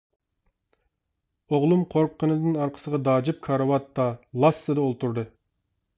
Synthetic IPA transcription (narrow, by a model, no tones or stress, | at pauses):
oʁlˠumqʰoɾp̚qʰːənɨd̪ɨnɑɾqʰə̥səʁɑd̪ɑːd͡ʒɪp̚kʰɑɾɑwɑt̪ːɑlˠɑsːɨd̪ɨolˠt̪uɾd̪ɨ